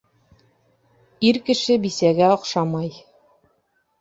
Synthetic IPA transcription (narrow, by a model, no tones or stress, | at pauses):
iɾkɘ̆ʃɘbisæɡæŏqʃɑmɑj